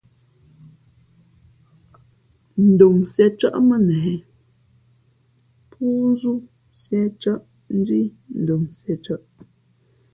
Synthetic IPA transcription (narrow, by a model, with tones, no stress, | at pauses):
n̩˨do˨msɛ˨t͡ʃə̰˦ʔmə˦nɛː˨ | pʰu˦zu˦ | sjɛ˦t͡ʃə˦ʔ | n̩˦di˦n̩˨do˨msɛ˨t͡ʃə˦ʔ